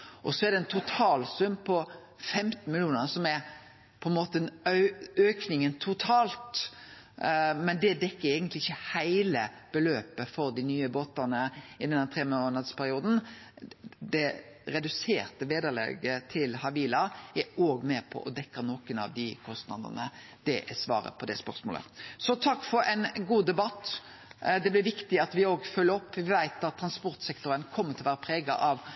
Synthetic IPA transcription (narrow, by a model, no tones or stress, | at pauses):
ʔɔsɔæɾd̪ɛnt̪ʰʊt̪ʰɑːlsʉmːpʰɔ | fɛmt̪n̩mɪlɪuːnəsɔmæɾ | pʰɔɛnmoːt̪ən | øːknɪŋənt̪ʰʊt̪ʰɑːlt̪ | mɛnd̪ɛd̪ɛkːəɾɛɡənt̪lɪɪçːəhæɪlə | b̥əløːpəfɔɾd̪ɪnyːəboːt̪ənəɪd̪ɛnhæɾt̪ʁeːmonɑd̪spʰæɾɪuːd̪n̩ | d̪ɛ | ɾɛd̪ʉsḛːʁt̪əʋeːd̪əʁlɛ̰ɡət̪ʰɪlhɑʋiːlɑæoːɡmɛpʰɔ̰ʔɔd̪ɛkːənoːkənɑ̰ʋd̪ɪkʰɔst̪nɑ̰d̪ə̰nə | d̪̥ɛʔæsʋɑ̰ːɾə̰pʰɔd̪ɛspœʁsmo̰ːlə̰sɔt̪ʰɑkːfɔɾɛɪnɡuːd̪ɛbɑt̪ː | d̪ɛblɪʋɪkt̪ɪɑt̪ʋɪoːɡfœlːəɔpːʋɪʋæɪt̪ɑt̪ʰːɾɑnspɔʁt̪sɛkt̪ɔɾənkʰɔmːəɾt̪ʰɪlɔʋæːɾəpʰɾeːɡɑ̰ʔɑʋ